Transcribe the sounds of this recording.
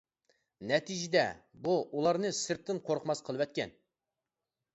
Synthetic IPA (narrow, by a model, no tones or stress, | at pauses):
nɛt̪ʰid͡ʒɪd̪ɛ̰buʔulˠɑɾnɨsɨɾt̪ʰːɨnqʰoɾqʰmɑsqʰəlˠɨwɛt̪̚kʲɛn